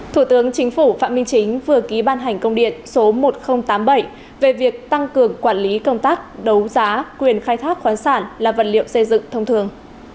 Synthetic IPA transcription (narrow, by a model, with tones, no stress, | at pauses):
t̪ʰu˧˩t̪ɨ˨˦əŋt͡ɕï˨˦ŋ̟fu˧˩fa̰ː˧˨mï˧ŋ̟t͡ɕï˨˦ŋ̟vɨ˨˩əki˨˦ɓaː˧nɦa˨˩ŋ̟kə˧wŋ͡mɗḭ˧˨ənso˨˦mo˨˩t̚xə˧wŋ͡mt̪aː˨˦mɓə˧˩j | ve˨˩vi˨˩ək̚t̪a˧ŋkɨ˨˩əŋkwaː˧˩nli˨˦kə˧wŋ͡mt̪aː˦˥k̚ɗə˨˦wzaː˨˦kwi˨˩ənxaː˧jt̪ʰaː˦˥k̚xwaː˨˦nsaː˧˩nlaː˨˩və̰˨˩nlḭ˧˨əwsə˧jzɨ̰˧˨ŋt̪ʰə˧wŋ͡mt̪ʰɨ˨˩əŋ